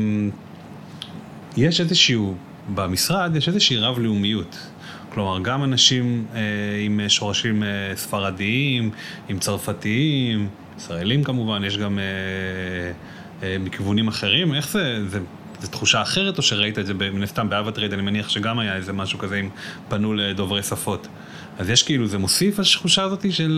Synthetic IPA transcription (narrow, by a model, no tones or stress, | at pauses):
m | je̞ʃezeʃiu | bamisʁad̪jeʃezeʃiiʁavliumijut | klo̞maʁɡamanaʃimeimeʃo̞ʁaʃimesfaʁadiimimt͡saʁfatiim | isʁaelimkamuvanje̞ʃ̬ɡame | mikivunimaχe̞ʁime̞χze̞ze | zet̪χuʃaːχe̞ʁe̞to̞ʃe̞ʁaitaedzebeminast̪ambeavat̪ʁedanimeniaχʃe̞ɡamajaeze̞maʃukaze̞impanuledo̞vʁe̞jsafo̞t | azjeʃkeiluzemosifaʃχuʃaːzo̞tiʃel